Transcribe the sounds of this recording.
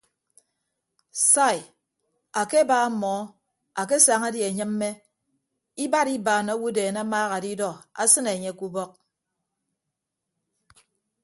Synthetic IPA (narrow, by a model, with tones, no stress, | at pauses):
sa˦˨j | a˨ke˦baː˦mɔ˨˦ | a˨k̬e˦saː˨ŋa˦dje˨ɲɨ˦m̩ː˦e˦ | i˦ba˦ɾi˦baː˨no˦wu˦deː˨na˦maː˦ɣa˨di˦dɔ˦a̰˦sɨ˦ne˨ɲe˦˨ku˦bɔ˦k̚